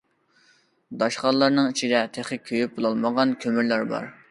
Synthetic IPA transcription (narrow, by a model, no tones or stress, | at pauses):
d̪ɑʃqɑlˠɑɾnɨŋit͡ʃʰid̪ɛt̪ʰeχɨkʲʰøjyp̚bolˠɑlˠməʁɑnkʲʰømyɾlæɾbɑ̰ɾ